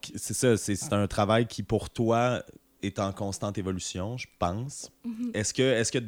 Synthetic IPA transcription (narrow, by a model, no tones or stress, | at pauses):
sɛsasɛse̥t̪ɛ̃t̪χavajkʲʰipuʁt̪wa | ɛt̪ɑ̃kɔ̃st̪ɑ̃t̪evɔlysjɔ̃ʒəpɑ̃sɛskʲəɛskʲə